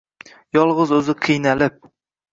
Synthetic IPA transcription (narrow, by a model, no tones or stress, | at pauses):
jɒlˠʁɨzɵzɪqʰɨjnalɪp̚